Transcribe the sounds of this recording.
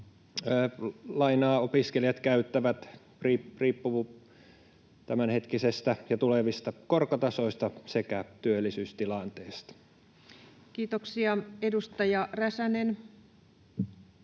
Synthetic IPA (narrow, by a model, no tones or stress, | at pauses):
lɑinɑːopiskeljɑt̪kæyt̪ːæʋæt̪ | riːriːpːuʋu | t̪æmænhet̪kisest̪æjɑt̪uleʋist̪ɑkorkɑt̪ɑsoist̪ɑsekæt̪yølːisyːst̪ilɑnt̪eːst̪ɑ̥ | kiːt̪oksiɑedust̪ɑjɑræsænen